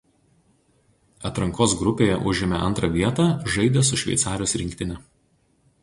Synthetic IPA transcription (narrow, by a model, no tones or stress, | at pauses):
ɐt̪ɾɐŋkoːs̬ɡɾʊpʲeːjɛʔʊʒʲɪmʲɛʔɐ̰nt̪ɾɐʋʲiɛt̪ɑːʒɐɪd̪ʲesʊʃʲʋʲɛ̰ɪt̪sɑːɾʲɪjoːsɾʲɪŋʲkʲt̪ʲɪnʲɛ